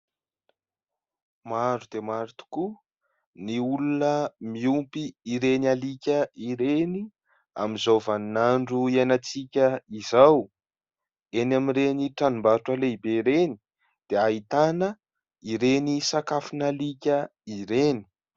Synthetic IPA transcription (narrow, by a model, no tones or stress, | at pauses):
maɾud̪̥emaɾit̪u̥ku | niulunəmiumpiiɾenalikʲəiɾeni | a̰mizovaninaɳɖ͡ʐuianat͡sikʲəizaw | enamiɾeniʈ͡ʂanumbaɾʈ͡ʂaleibeɾeni̥ | d̪̥eait̪anə | iɾenisakafinalikʲəiɾeni̥